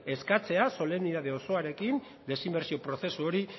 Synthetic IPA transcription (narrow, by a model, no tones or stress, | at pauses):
e̞skat͡se̞aso̞le̞niðað̞e̞o̞so̞aɾe̞kin | d̪e̞simbe̞ɾsio̞pɾo̞θe̞suo̞ɾi